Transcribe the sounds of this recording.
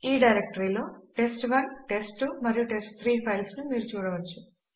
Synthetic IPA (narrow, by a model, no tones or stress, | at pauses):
iːɖɐjɾek̚ʈɐɾiːlo̞ːʈe̞sʈʋɐɾʈe̞sʈumɐɾijuʈe̞sʈ̚t̪ʰɾiːpʰɐjlsnumiːɾut͡ʃuːɽɐʋɐt͡ʃːu̥